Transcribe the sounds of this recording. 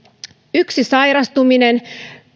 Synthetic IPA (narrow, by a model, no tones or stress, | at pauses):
yksisɑjɾɑst̪uminen